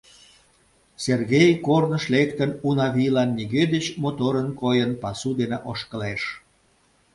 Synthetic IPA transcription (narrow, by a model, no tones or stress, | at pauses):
serɣejkornəʃlekt̪ənunɑβʲilɑnːiɣed̪ət͡ɕmot̪oɾənkojənpɑsud̪eneʔoʃkəleʃ